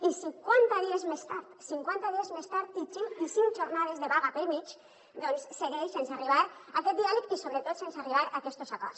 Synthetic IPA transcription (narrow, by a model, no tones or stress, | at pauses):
isiŋkwant̪aðiezmest̪aɾt̪siŋkwant̪aðiezmest̪aɾt̪̚d̪it͡ʃiwisiŋt͡ʃoɾnað̞ezðeβaɣapeɾmit͡ʃ | d̪ɔnsːeɣeʃsenseariβ̞aɾakɛt̪̚d̪ialekisoβɾet̪ot̪sensariβ̞aɾakɛst̪osakɔ̰ɾs